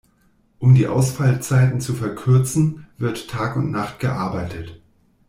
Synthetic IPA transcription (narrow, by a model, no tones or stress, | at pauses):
ʔʊmdiːʔa̰ʊsfalt͡saɪtn̩t͡sufɛɐkʰʏɐt͡sn̩v̥ɪɐtʰːaːkʊntnaχtɡ̥əʔaɐbaɪtʰət